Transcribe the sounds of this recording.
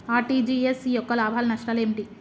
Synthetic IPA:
aːʈid͡ʒiesijɔkːɐlaːbʱaːlɐnɐʂʈɐːleːmʈi

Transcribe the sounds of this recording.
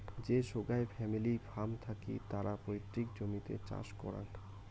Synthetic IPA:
d͡ʑeʃoɡaefɛmilibʱamt̪ʰakḭt̪aɾapɾojt̪ːɾikd͡ʑomit̪ḛt͡ɕa̰ʃkɔ̰ɾa̰n

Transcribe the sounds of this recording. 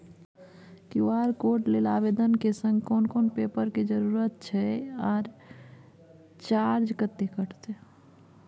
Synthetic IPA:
kioɦəɾkoʈlelabed̪ənkesə̃ŋɡkonkonpepəɾked͡ʒəɾuɾət̪̚t͡ʃʰɛaːɾ | t͡ʃaɾd͡ʒkət̪ːekəʈt̪ɛ

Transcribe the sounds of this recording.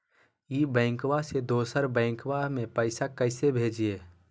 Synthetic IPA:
jiːbɛ̃ːŋkʋased̪oːsəɾbɛ̃ːŋkwamẽpəɪsakəɪsebʱeːd͡ʒieː

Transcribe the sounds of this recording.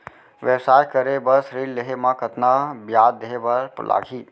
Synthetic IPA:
ʋɛbsaːjkəɾebɐɾsɾiːlleɦemãkət̪nabjaːd̪ːeɦebɐɾpʊ̰lʔa̰ːɡʰʱiː

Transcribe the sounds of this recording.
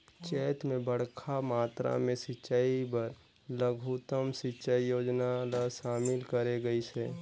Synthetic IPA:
t͡ʃɛːt̪mẽbəɽ̤kʰamaːt̪ɾa̰mẽsɪt͡ʃaːibəɾ | ləɡʱut̪əmsɪt͡ʃaijoːd͡ʒnalaʃaːmɪlkəɾeɡəiseː

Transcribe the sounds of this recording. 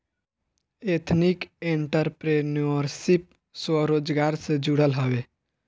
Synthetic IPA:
eːt̪ʰnɪkẽɳʈəɾpɾenɔɾsɪp̚ | swəɾoːd͡ʒɡaːɾsed͡ʒuɽəlɦəʋeː

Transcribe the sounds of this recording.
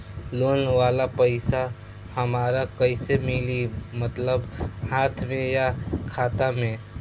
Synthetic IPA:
loːnʋaːlapəɪsa | həmaːɾakəɪsemɪlimət̪ləbhaːt̪ʰmẽjakʰaːt̪amẽ

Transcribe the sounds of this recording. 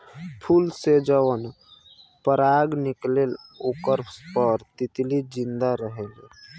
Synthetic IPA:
pʰulsed͡ʒəwən | pəɾaɡniklelukəɾpspəɾt̪it̪lid͡ʒĩnd̪aɾəɦele

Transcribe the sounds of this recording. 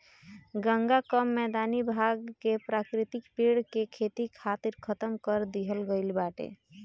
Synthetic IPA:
ɡəŋɡakəmːɛd̪anibʱaɡkepɾakɾit̪ikpiɽkekʰet̪ikʰat̪iɾkʰət̪əmkəɾd̪iɦəlɡəɪlbaʈḛ

